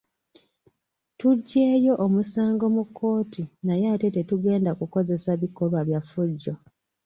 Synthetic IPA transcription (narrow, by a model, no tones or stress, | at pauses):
tuɟːe̞ːjo̞ʔomusaːŋɡo̞mukʰːo̞ːtinajaːte̞te̞tuɡe̞ːndakuko̞ze̞saβikːo̞lwaβjafuɟːo̞